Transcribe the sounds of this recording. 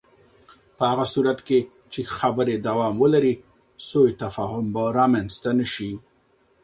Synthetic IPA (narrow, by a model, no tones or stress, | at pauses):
pəhaɣasuɾat̪ke | t͡ʃexabəɾed̪awɑmwəlaɾi | sojt̪afɑɦʊmbaɾɑmanzt̪anəʃi